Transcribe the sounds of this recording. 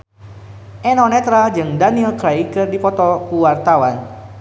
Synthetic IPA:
ʔɛnɔnɛt̪ɾad͡ʒɨŋdanilkɾaikɨrdipɔt̪ɔkuwart̪awan

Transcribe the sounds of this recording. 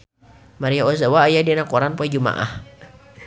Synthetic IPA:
maɾijaos̬awaːjadianakɔɾanpɛd͡ʒuma̰ʔa̰h

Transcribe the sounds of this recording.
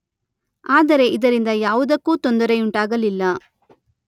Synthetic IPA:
aːd̪ɐɾe̞ʔid̪ɐɾind̪ɐjaːʋud̪ɐkːuːt̪ond̪ɐɾeuɳʈaːɡɐlilːɐ

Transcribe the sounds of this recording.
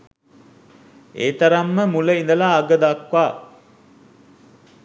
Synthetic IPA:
ḛːt̪ɐɾamːəmuləind̪əlaːɡəd̪akʋaː

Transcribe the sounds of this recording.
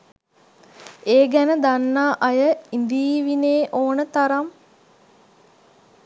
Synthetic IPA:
eːɡænəd̪anːaːʔɐjəind̪iːʋineːʔoːnət̪aɾam

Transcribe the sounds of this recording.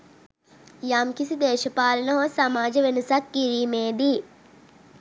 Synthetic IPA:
jaːmkisid̪eːʃɐpaːlɐnɐɦoːsɐmaːd͡ʒɐʋenusɐkːiɾiːmeːd̪i

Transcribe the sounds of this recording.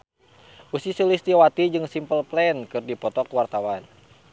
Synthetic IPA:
ʔusisulist̪iwat̪id͡ʒɨŋsimpəlplɛnkɨrdipɔt̪ɔkwart̪awan

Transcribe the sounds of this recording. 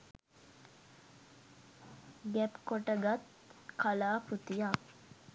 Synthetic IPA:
ɡɛpkoʈəɡat̪ | kʰalaːput̪ijak

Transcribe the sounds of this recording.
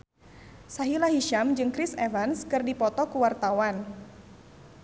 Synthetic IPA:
saɦilaɦiʃamd͡ʒɨŋkɾisevanskɨrdipɔt̪ɔkuwart̪awan

